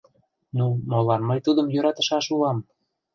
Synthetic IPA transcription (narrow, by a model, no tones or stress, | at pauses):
numolɑnməjt̪ud̪əmjøɾɑt̪ə̆ʃɑʃulɑm